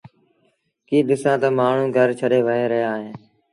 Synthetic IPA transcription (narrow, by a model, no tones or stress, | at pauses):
kiːɗɪsãːt̪əmaːɳ̤ũːɡʱəɾt͡ʃʰəɗeːʋəɦeːɾəɦjaːɦẽː